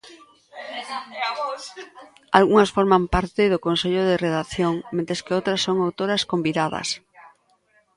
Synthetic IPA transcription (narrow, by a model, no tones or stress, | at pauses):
alɣuŋɐsfoɾmampaɾt̪ɪðʊkonseʎoðereðaθjoŋment̪ɾeskɪowt̪ɾɐsːoŋawt̪oɾɐskombiðaðɐ̰s